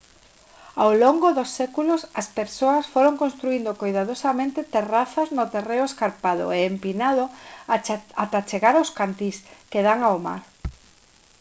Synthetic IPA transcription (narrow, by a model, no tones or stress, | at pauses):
awloŋɡoðosːekulosɐspeɾsoɐsfoɾoŋkõnst̪ɾuind̪okojðað̞osamẽnt̪et̪eraθɐznot̪ereʊeskaɾpaðʊ̰eːmpinaðo | at̪at͡ʃeɣaɾawskant̪iskeðaŋaoma̰ɾ